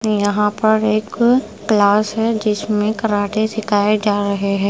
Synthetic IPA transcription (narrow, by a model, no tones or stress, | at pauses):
jɐɦãpɐɾeːkː | laːsɦɛd͡ʒɪsmẽkɐɾaːʈesɪkaːed͡ʒaːɾɐɦeɦɛ̃ː